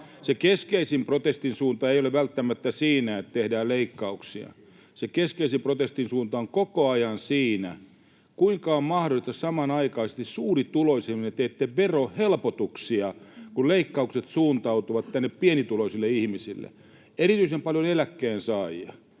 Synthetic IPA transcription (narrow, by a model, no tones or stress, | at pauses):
sekeskeisimprot̪est̪insuːnt̪ɑeijoleʋʋælt̪ːæmæt̪ːæsiːnæet̪t̪ehdæːleikːɑuksiɑ̰ | sekeskeisimprot̪est̪insuːnt̪ɑoŋkokoɑjɑnsiːnæ | kuiŋkɑommɑhdolˑist̪ɑssɑmɑnɑikɑisest̪issuːrit̪uloisimnet̪ːeːt̪ːeʋʋerohelpot̪uksiɑkulleikːɑukset̪suːnt̪ɑut̪uʋɑt̪t̪ænːeppienit̪uloisilːeihmisilːḛ | erit̪yisempɑljonelækːeːnsɑːjɑ